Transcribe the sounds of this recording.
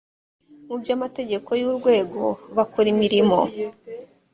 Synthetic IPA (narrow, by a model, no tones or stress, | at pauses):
mubjaːmate̞ɟe̞ko̞juɾɡwe̞ːɡo̞βakuɾimiɾimo̞̰